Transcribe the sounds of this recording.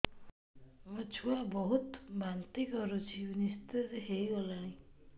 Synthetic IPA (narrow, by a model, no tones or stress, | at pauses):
mɔt͡ʃʰuabɔɦut̪bant̪ikʌɾut͡ʃʰinist̪ezɦejolãĩ